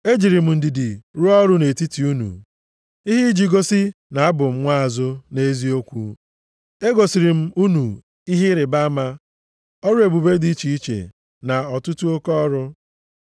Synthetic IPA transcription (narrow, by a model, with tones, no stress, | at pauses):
e˦d͡ʒi˨ɾi˨m̩˨n̩˨dɪ˨dɪ˨ɾu˦ɔ˦ɾʊ˦ne˨ti˦ti˨u˦nṵ˨ | i˦ɦi˦d͡ʒi˨ɡo˦sɪ˦na˨a˦bʊ˨m̩˦ŋʷa˦a˨zʊ˦ne˦e˦zi˦o˦kʷṵ˦ | e˦ɡo˨si˨ɾi˨m̩˦u˦nu˨ | i˦ɦi˦ɾɪ˨ba˦ma˦ | ɔ˦ɾʊ˦e˨bu˨be˦di˦t͡ʃi˨i˦t͡ʃḛ˨ | na˨ɔ˨tʊ˦tu˦o˦kɔ˦ɾʊ˦